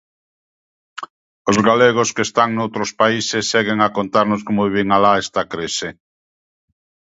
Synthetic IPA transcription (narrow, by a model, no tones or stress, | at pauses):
ozɣaleɣ̞oskest̪aŋnowt̪ɾospaisesːeɣeŋakont̪aɾnoskomoβiβeŋalaest̪akɾese